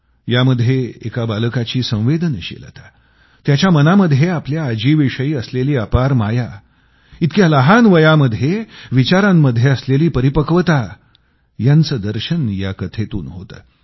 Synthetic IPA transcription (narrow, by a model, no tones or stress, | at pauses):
jaməd̪ʱːjeekabalkat͡ɕiːsə̃w̃ʋed̪ənɕḛlət̪ḁ | t̪jat͡ɕjamənaməd̪ʱjeapljaəd͡ʑiːʋiʂəiːəsleliːapaɾmaja | it̪kjaləɦanʋəjaməd̪ʱjeʋit͡ɕaɾãmːəd̪ʱːjeəsleliːpəɾipəkəʋət̪a | jant͡səːd̪əɾɕənja̰kət̪ʰet̪ṵːnɦo̰t̪ə̰ː